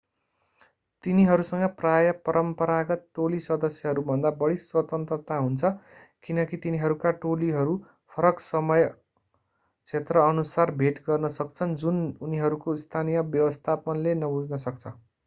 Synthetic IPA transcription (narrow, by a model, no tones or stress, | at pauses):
t̪iniɦʌɾusʌŋɡʌprajʌpʌɾʌmpʌɾaɡʌt̪̚ʈolisʌd̪ʌsjʌɦʌɾubʱʌnd̪abʌɽiswʌt̪ʌnt̪rʌt̪aɦunt͡sʰʌ | kinʌkit̪iniɦʌɾukaʈoliɦʌɾu | pʰʌɾʌksʌmʌj | t͡sʰet̪rʌʌnusarbʱeʈɡʌrnʌsʌkt͡sʰʌnd͡zununiɦʌɾukoist̪ʰanijʌbjʌwʌst̪ʰapʌnlenʌbud͡znʌsʌk̚t͡sʰʌ